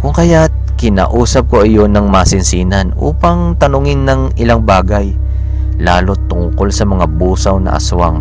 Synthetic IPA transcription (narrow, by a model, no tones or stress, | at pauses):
kʊŋkɐjat̪ | kɪna̰ːʔuːsɐp̚ko̞ʔɪjo̞nɐŋmasɪnsiːnɐnʔṵːpɐŋt̪ɐnʊŋɪnːɐŋ | ɪlaŋbaːɡɐj | laːlo̞t̪ʊŋko̞lsɐmɐŋabuːsɐwnɐ̰ʔɐ̰sʊwaŋ